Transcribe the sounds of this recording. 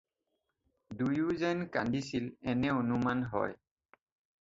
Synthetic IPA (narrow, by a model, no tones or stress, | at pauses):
dujuzɛnkandisilɛnɛonumanɦɔ̰j